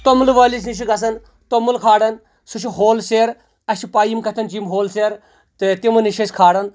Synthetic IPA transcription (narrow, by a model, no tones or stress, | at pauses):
t̪omlʋɐːlis̬niʃ̬ʰiɡɐs̬ɐn | t̪omulkʰaːɽɐn | sut͡ʃʰiɦoːlseːɾ | ɐʃipaːjimkɐt̪ʰɐnt͡ʃimɦoːlseːɾ | t̪et̪imɐniʃɐsʲkʰaːɽɐn